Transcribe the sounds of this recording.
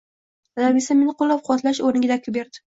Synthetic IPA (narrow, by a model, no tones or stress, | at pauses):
zabisame̞nɪqʰolːap̚qʰʊwat̪laʃoɾnɪɡʲad̪akʲʰʊbeɾd̪ɪ̥